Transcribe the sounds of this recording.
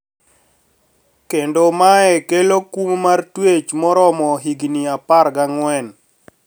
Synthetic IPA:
kendomaɛkelokummartwet͡ʃmɔɾɔmɔɦiɡniapaɾɡaŋwɛn

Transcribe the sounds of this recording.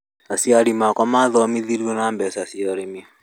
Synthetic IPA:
asiaɾimakamaðɔmiðiɾɔnaːmbɛsasiɔɾemiɔ

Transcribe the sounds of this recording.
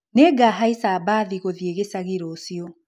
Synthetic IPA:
neɡaɦaisaːbaːðiɣoðieɣesaɣeɾɔːsiɔ

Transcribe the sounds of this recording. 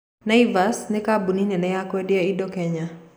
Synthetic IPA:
naivasnɛkabuninɛnɛjakwɛdiaidɔkɛɲa

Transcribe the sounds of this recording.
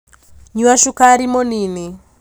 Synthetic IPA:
ɲuwaʃukaɾimɔnini

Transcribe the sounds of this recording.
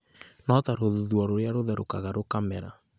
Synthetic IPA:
nɔt̪aɾoðuðwɔɾoɾjaɾoðɛɾokaɣaɾokamɛɾa̰

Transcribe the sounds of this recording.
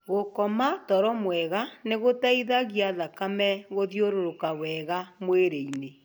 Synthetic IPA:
ɣokɔmatɔɾɔmwɛɣaneɣotaiðaɣiaðakamɛɣoðjoɾoɾokawɛɣamweɾeine

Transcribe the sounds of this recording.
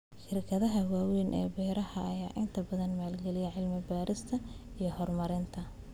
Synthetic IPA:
ʃɪrkʰɐðɐɦɐwaːwiːnʔɛ̰ːbɛːɾɐhɐɐjaːʔɪnt̪ʰɐbɐðɐnmaːlɡɛlɪjɛʕɪlmɪbaːɾɪst̪ʰɐ | ijɞhɔrmɐɾɪnt̪ʰɐ

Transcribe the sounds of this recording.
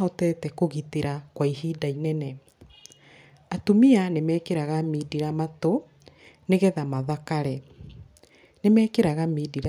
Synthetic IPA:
ɔtɛtɛkoɣiteɾakwaihiːdainɛnɛ | atomianemɛːkeɾaɣamiːdiɾamato | neɣɛðamaðakaɾɛ | nemɛːkeɾaɣamiːdiɾa

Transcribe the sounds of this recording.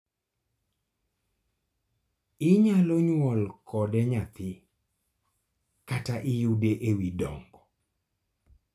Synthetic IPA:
ɪɲalɔɲwɔlkʰɔdɛɲat̪ʰɪ | kataʔɪjudeʔewidɔŋɡɔ

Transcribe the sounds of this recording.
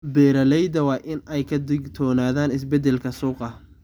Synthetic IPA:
bɛːɾɐlɛjd̪ɐwɑːʔɪnɛjkʰɐd̪ɪɡt̪ʰɔːnaːðaːnɪs̬bɛd̪ɛlkʰɐsuːqɐ

